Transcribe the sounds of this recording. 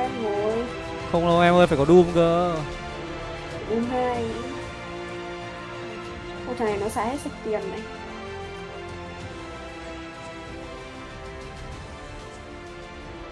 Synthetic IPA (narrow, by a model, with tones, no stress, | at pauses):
ɛ˧mŋo˨˩j | xə˧wŋ͡mlə˨˦wʔɛ˧mʔəː˧jfaː˧˩jkɔ˨˦ɗu˧mkəː˧˦˨ | ʔu˨˧˩na˧˩j | ko˧˩˨n˨˩nɔ˨˦saː˧˥he˦˥t̚sa˨˩t̪i˨˩ənːa˨˩j